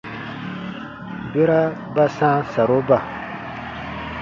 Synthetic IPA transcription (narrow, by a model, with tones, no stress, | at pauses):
be˦ɾa˦ | ba˦sãː˦sa˨ɾo˦ba˨